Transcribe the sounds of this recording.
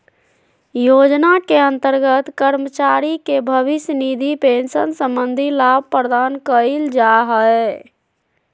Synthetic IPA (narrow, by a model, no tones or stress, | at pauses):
jod͡ʒnakeənt̪əɾɡət̪kəɾmət͡ʃaɾikebʱəʋisnid̪ʱipensənsə̃mbənd̪ʱilab̚ʱpɾəd̪ankəild͡ʒaɦəe